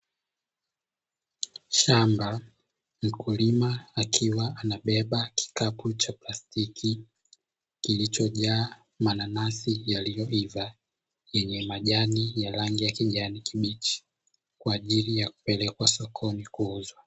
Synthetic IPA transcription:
ʃamba | m̩kulimaːkʰiwaanaɓɛɓaki̥kaput͡ʃaplastikʰi | kilit͡ʃɔʄaː | mananasijalijɔiva | jɛɲɛmaʄanijaɾaŋɡijakiʄanikʰiɓit͡ʃi̥ | kwaːʄilijaku̥pɛlɛkwasɔkʰɔnikuuzwa

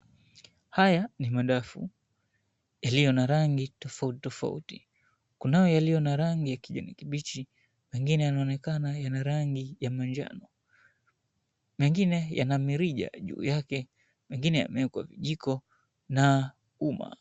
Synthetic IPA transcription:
hajanimaɗafṵ | jalijɔnaɾaŋɡitɔfautitɔfa̰ṵti | kunajɔjalijɔnaɾaŋɡijakiʄa̰nḭkiɓit͡ʃi | mɛŋɡinɛjanaɔnɛkanajanaɾaŋɡijamaɲd͡ʒa̰nɔ | mɛŋɡinɛja̰namiɾiʄa̰ʄṵːjakɛ | mɛŋɡinɛja̰mɛkwa̰viʄikɔ | na | uma̰

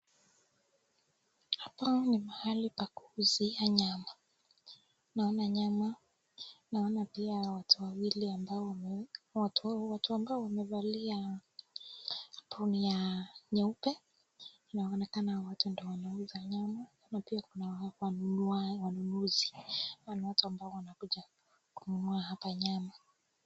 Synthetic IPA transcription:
apanimahalipakuzijaɲama | naɔnaɲama | naɔnapiawatuwawiliambaɔwatwatuambaɔwamɛvalia | pʰunijaɲɛupɛ | inaɔnɛkanawatundɔwanauzaɲama | napiakunawaawanunuziwanawatuambaɔwanakuʄa | kunumuahapaɲama

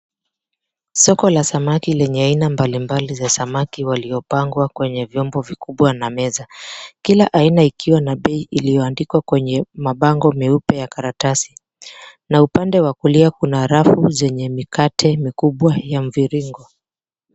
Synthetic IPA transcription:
sɔkɔlasamakilɛɲɛainambalimbalizasamakiwaliɔpaŋɡwakwɛɲɛvjɔmbɔvikuɓwanamɛzakilaʔainaikʰiwanaɓɛiʔilijɔandikwakwɛɲɛmaɓaŋɡɔmiupɛjakaɾatasi̥ | naupandɛwakuliakunaɾafuzɛɲɛmikatʰɛmikuɓwajam̩viɾiŋɡɔ

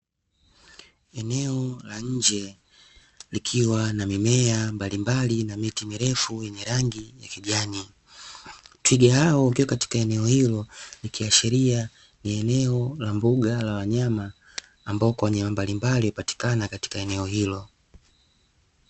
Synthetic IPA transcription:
ɛnɛɔlaɲ̩d͡ʒɛ | likʰiwanamimɛambalimbalinamitimiɾɛfujɛɲɛɾaŋɡijakiʄani | twiɡahaɔukiwakati̥kaɛnɛɔhilɔlikʰiwaʃɛɾia | niɛnɛɔlambuɡalawaɲamaː | mbaɔkwawaɲamambalimbaliupati̥kanakati̥kaɛnɛɔɦilɔ

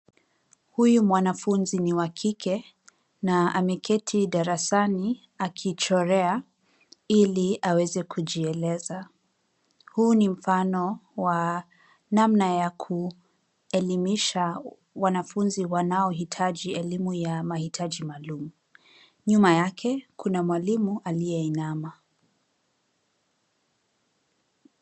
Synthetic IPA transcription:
hujumwanafunziniwakʰikʰɛ | naamɛkʰɛtʰiɗaɾasani | akʰit͡ʃɔɾɛa | iliawɛzɛkʰuʄiɛlɛza | huːnim̩fanɔwa | namnajakʰu | ɛlimiʃa | wanafunziwanaɔɦitʰaʄiɛlimujamahitʰaʄimaːlumu | ɲumajakʰɛkʰunamwalimuʔalijɛinama

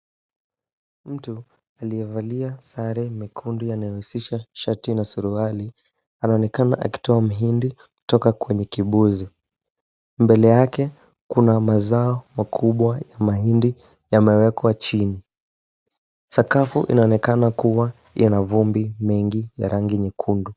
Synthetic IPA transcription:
m̩tu | alijɛvaliasaɾɛmikʰundujanajɔhusiʃaʃatinasuɾuali | anaɔnɛkanaʔa̰ki̥tɔam̩ɦindiku̥tɔkakwɛɲɛkiɓuzi | mbɛlɛjakɛ | kunamazaɔmakʰuɓwajamaɦindi | jamɛwɛkwat͡ʃini | sakafṵʔḭnaɔnɛkanakuwa | inavumbimɛŋɡija̰ɾʔaŋɡiɲikʰundu

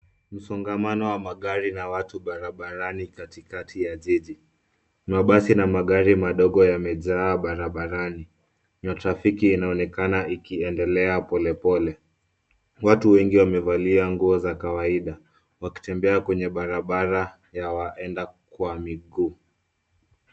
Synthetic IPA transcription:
m̩sɔŋɡamanɔwamaɠaɾinawatuɓaɾaɓaɾanikatikatʰijaʄiʄi | maɓasinamaɠaɾimaɗɔɠɔjamɛʄaːɓaɾaɓaɾani | matɾafikiːnaɔnɛkanaikiɛndɛlɛapɔlɛpɔlɛ | watuwɛŋɡiwamɛvaliaŋɡuɔzakawaiɗa | waki̥tɛmbɛakwɛɲɛɓaɾaɓaɾa | jawaʔɛndakwamiɠuː

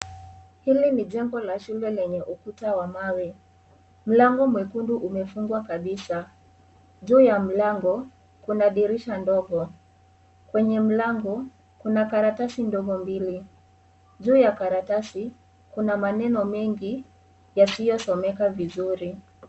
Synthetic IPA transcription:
hiliniʄɛŋɡɔlaʃulɛlɛɲɛʔukutawamawɛ | m̩laŋɡɔmwɛkunduʔumɛfuŋɡwakaɓisa | ʄuːjam̩laŋɡɔ | kunaɗiɾiʃandɔɠɔ | kwɛɲɛm̩laŋɡɔ | kunakaɾatasindɔɠɔmbili | ʄuːjakaɾatasi | kunamanɛnɔmɛŋɡi | jasijɔsɔmɛkavizuɾi

